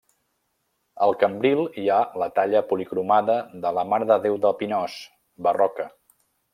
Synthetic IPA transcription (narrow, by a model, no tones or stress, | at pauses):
əlˠkəmbɾilˠialət̪aʎəpulikɾumaðəðələmaɾðəðewðəlˠpinɔs | bərɔkə